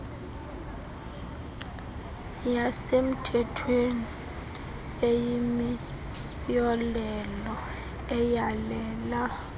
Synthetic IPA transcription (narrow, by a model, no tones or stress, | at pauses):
jasem̩tʰɛtʰweni | ejimi | jɔlɛlɔ | ɛjalɛːla